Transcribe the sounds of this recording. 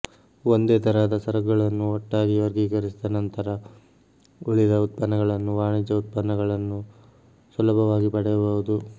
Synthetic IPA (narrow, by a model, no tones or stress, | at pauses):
ond̪eːt̪ʰɐɾad̪ɐsɐɾɐɡːɐɭɐnːuɔʈːaːɡiʋɐɾɡiːɡɐɾisid̪ɐnɐnt̪ɐɾɐ | uɭid̪ɐut̪̚pɐnːɐɡɐɭɐnːuʋaːɳid͡ʒɐut̪̚pɐnːɐɡɐɭɐnːu | swɐlɐbʱɐʋaːɡipɐɽɛjɐbɐʋud̪u